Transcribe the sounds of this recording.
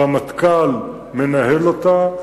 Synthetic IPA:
amat̪kal | menahelot̪a

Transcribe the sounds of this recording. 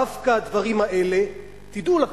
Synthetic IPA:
afkad̪vaʁimaʔe̞le̞ | t̪id̪ula

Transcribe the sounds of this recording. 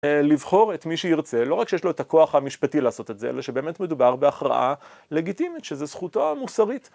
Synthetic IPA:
livχo̞ʁetmiʃeiʁt͡se̞lo̞ʁakʃejeʃlo̞etako̞aχamiʃpatileːso̞te̞tzeḛlaʃebe̞ːmetme̞d̪ubaʁbe̞aχʁa̰ʔa | le̞ɡitimitʃezesχutamusaʁit

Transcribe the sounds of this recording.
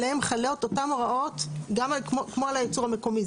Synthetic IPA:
eemχaleot̪otamoʁao̞t̪ɡamakmokmoalajet͡suʁame̞ko̞mi

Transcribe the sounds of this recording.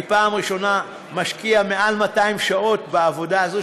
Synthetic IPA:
paːmʁiʃo̞na | maʃkiameʔalmataimʃao̞tbaːvo̞daazo

